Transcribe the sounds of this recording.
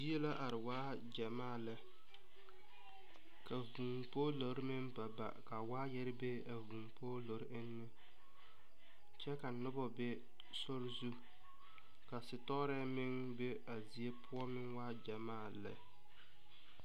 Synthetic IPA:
d͡ʒi˦e˦la˦ʔa˨ɾɪ˨waː˦ | d͡ʒa˨maː˦˨lɨ˨ | ka˨vu˨ŋpoː˦lo˨ɾɪ˦mɪ˦ŋba˨ba̰˨ka˨waː˦jɛ˦ɾɪ˦be˦a˨vu˨ŋpoː˦lo˨ɾʔɪ˦nːɨ˦ | t͡ʃɛ˦ka˨nʊ˦bɔ˨bɛ˦ | sɔ˦ɾzu˦ | ka˨sɪ˨tɔ˦ɾɛ˦mɪ˦ŋ | be˦ | a˨zi˨e˦pʰʊ˦ɔ˦mɪ˦ŋwaː˦d͡ʒa˨maː˦˨lɪ̰˨

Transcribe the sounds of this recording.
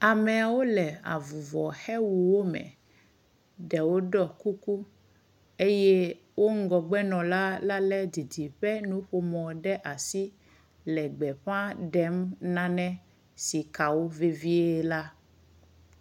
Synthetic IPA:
a˨mɛ˨a˨wo˦lɛ˨a̰˨vu˨vɔ˨xɛ˦wu˨wo˦mɛ̰̃˨ | ɖɛ˨wo˦ɖɔ˦ku˦ku˦ | e˦jɛ˦ | wo˦ŋ̩˦ɡɔ˨ɡ͡bɛ˦nɔ̃˨la˦la˦lɛ˦d̪i˨di˨ɸɛ˦nũ˦ɸo˦mɔ̃˨ɖɛ˦ʔa˨si˦ | lɛ˨ɡ͡bɛ˨ɸã˦ɖɛ˦mnã˦nɛ̃˦ | si˨ka˨wo˦ve˦vi˦e˦la˦

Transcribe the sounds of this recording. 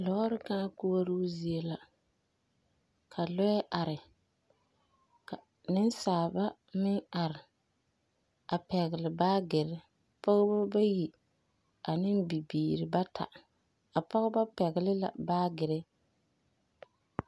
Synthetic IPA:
lɔ˦ɾɪ˦kãː˦kʊ˦a˦ɾuː˦zi˨e˦la˨ | kʰa˨lɔ˦jɛ˦ʔa˨ɾɪ˨ | ka˨ | nɪ˦nsaː˨ba˦ | mɪ˦ŋa˨ɾɪ˨ | a˨pɛ˨ɣɪ˨lɪ˨baː˦ɡɪ˨ɾɪ˦ | pɔ˦ɣba˦ba˦ji˨ | a˨nɪ˦nbi˨biː˨ɾɪ˨ba˦tʰa̰˨ | a˨pɔ˦ɣɪ˦ba˦pɛ˨ɣɪ˨lɪ˦la̰˨baː˦ɡɪ˨ɾɪ˦

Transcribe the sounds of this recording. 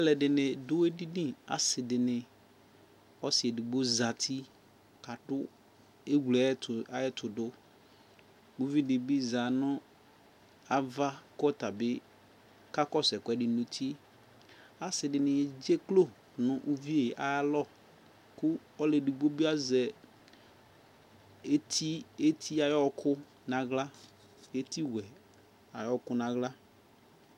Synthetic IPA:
ɛ˦lɛ˨dɪ˨nɪ̃˨dʊ˦e˦di˦nĩ˦a̰˨sɪ˨dɪ˨nɪ˨ | ɔ˦sɪ˨ɛ˨di˨ɡ͡bo˦za˨tʰi˦ | ka˨dʊ˦ | e˦ɡu˨lɛ˨˦ta˦ɛ˦tʰʊ˨dʊ˦ | bu˦vi˦dɪ˨bi˦za˨nʊ̃˦ | a˦va˦kɔ˦ta˨bɪ˦ | ka˦kɔ˦sɛ˨kʷɛ˨dɪ˨nũ˨tʰi˦ | a˨sɪ˨dɪ˨nɪ̃˨ɛ˨d͡ʒe˦klo˦˨ | nʊ̃˦ʔu˦vi˦e˨ʔa˨˦lɔ˦˨ | kʊ˦ɔ˦le˨di˨ɡ͡bo˦bi˦a˦zɛ˨ | e˦tʰi˦e˦t̪ʰi˦a˨jɔ˦kʰʊ˦ | nã˦ɣla˦ | e˦ti˦wɛ˨ | a˨jɔ˦kʊ˦nã˨ɣla˦

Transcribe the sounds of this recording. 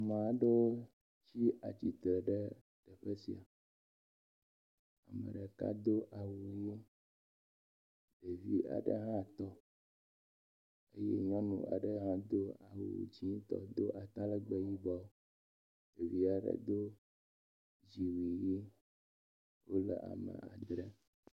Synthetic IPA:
mã˨a˨ɖe˦wo˦ | t͡ɕi˦a˨t͡ɕi˨t̪ɾɛ˨ɖɛ˦ | ɖ̥ɛ˨ɸe˦si˨a̰˨ | a̰˨mḛ˨ɖe˨ka̰˦d̪o˦ʔa˨wu˨je˦ | ɖe˨vi˦a̰˨ɖḛ˦ɦã˦˨t̪ɔ˦ | e˦jḛ˦ɲɔ̃˦nṵ̃˨a̰˨ɖɛ˦ɦã˦d̪o˦a˨wṵ˨d͡ʑĩ˦t̪ɔ̰˦d̪o˦ʔa˨t̪a˦lɛ˦ɡ͡be˦ji˦ba˦o˦ | ɖe˨vi˦a˨ɖḛ˦d̪o˦ | d͡ʒi˨wi˨ji˦ | wo˦lɛ̰˨ʔa̰˨mɛ̰̃˨a˨d̪ɾe˦

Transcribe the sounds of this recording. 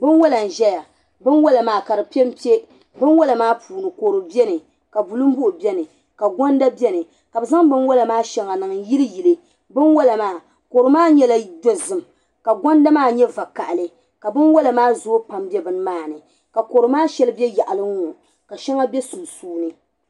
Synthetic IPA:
bɨ˦nwo˦la˨n̩˨ʒɛ˦ja˨ | bɨ˦nwɔ˦la˨maː˨ka˨ɾɨ˨pɛ˦m˦pi˦e˦ | bɨ˦nwɔ˦la˨maː˦pʰuː˨nɨ˨ko˨ɾɨ˨bɛ˦nɨ˨ | ka˨bu˨lɨ˦m˦bʊ˦ʔʊ˨bɛ˦nɨ˨ | ka˨ɡɔ˦n˦da˦bɛ˦nɨ˨ | ka˨bɨ˨za˦ŋbɨ˦nwɔ˦la˨maː˦ʃɛ˦ŋa˨nɨ˨ŋ˨ji˦lɨ˦ji˨lɨ˦ | bɨ˦nwɔ˦la˨maː˦ | ko˨ɾɨ˨˦maː˦ɲɛ˦la˦do˦zɨ˨m | ka˨ɡɔ˦n˦da˦maː˦ɲɛ˦va˨ka˨ʔlɨ˨ | ka˨bɨ˦nwɔ˦la˨maː˦zo˦pa˨mbɛ˦bɨ˨˦n˦maː˦˨nɨ˨ | ka˨koː˨ɾɨ˨maː˦ʃɛ˦lɨ˦bɛ˦ja˨ʔa˨lɨ˦ŋɔ˨ | ka˨ʃɛ˦ŋa˦bɛ˦su˨suː˦nɨ˨

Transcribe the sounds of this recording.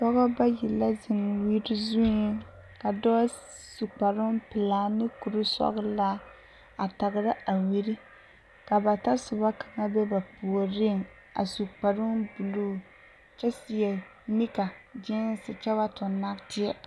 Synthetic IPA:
pɔ˦ɣɔ˦ba˦ji˨la˦zɪ˨ŋwi˦ɾɪ˦zu˦i˦ | ka˨dɔ˦ | su˨k͡pa˨ɾʊ˦ŋpɨ˨laː˨nɨ˦ku˨ɾɨ˦sɔ̰˦ɣɨ˦la˦ | a˨ta˨ɡɨ˦ɾɨ˦a˨wi˦ɾi˦ | ka˨ba˨ta˦sʊ˨ba˦ka˨ŋa˦bɛ˦ba˨pu˨o˨ɾɪ˦˨ŋ | a̰˨su˨k͡pa˨ɾʊ˦ŋbu˨lu˦˨ | t͡ʃɛ˦si˨ja˨ | mi˦ka˨d͡ʒɪ˦n˦sɨ˨t͡ʃɛ˦ba˦tʊ˨nːa˦ktɪ˦a˦

